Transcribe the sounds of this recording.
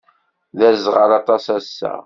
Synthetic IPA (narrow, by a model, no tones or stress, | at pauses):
ðæɾzʁəɾɑt̪ˤɑsæsːæ̰